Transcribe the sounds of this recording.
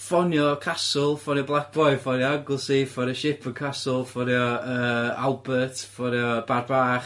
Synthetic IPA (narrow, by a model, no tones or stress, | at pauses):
fɔnjɔkʰasʊlˠfɔnjɔblˠak̚b̥ɔɨ̥fɔnjɔaɡʊlˠsifɔɾjɔʃɪpʰənkʰasʊlˠfɔnjɔəːalˠbətfɔɾjɔbarbaːχ